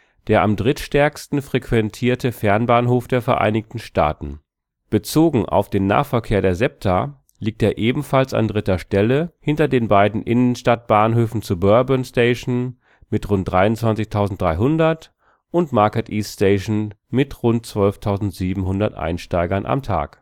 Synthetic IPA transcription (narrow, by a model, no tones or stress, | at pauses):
d̥eːɐʔamdʁɪtʃtɛɐkstn̩fʁ̥ekv̥ɛntʰiːɐtəfɛɐnbaːnɦoːfd̥eːɐfɛɐʔa̰ɪnɪçtn̩ʃta̰ːtn̩ | b̥ət͡soːɡŋ̩ʔa̰ʊfd̥eːnːa̰ːfɛɐkʰeːɐɾeːɐzɛp̚tʰa | liːk̚tdeːɐʔeːbm̩falsa̰ndʁɪtɐʃtɛləhɪntɐdeːnbaɪdn̩ʔɪnənʃtat̚b̥aːnɦøːfn̩t͡subœɐbənstɛɪʃn̩ | mɪtʁʊnt̚d̥ʁaɪʊntt͡sv̥ant͡sɪçtʰaʊzn̩t̚d̥ʁaɪɦʊndɐt | ʔʊntmaɐkɛtʔiːstɛːʃn̩ | mɪtʁʊnt̚t͡sv̥œlftʰaʊzn̩tz̥iːbm̩hʊndɐtʔa̰ɪnʃtaɪɡɐnʔa̰mtʰa̰ːk